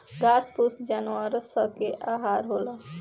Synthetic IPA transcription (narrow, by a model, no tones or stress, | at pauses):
ɡaspusd͡ʒanuwaɾsəkeʔaɦaɾɦolə